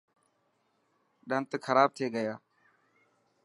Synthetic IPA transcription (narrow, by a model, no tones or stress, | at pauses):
ɗənt̪kʰəɾaːb̚t̪ʰeːɡəjaː